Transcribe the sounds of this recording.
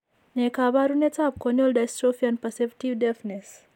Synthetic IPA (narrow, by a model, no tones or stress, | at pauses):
nekabaɾunet͡sap̚koniolɖajsʈɾofianpɐsepʈiʋdefnes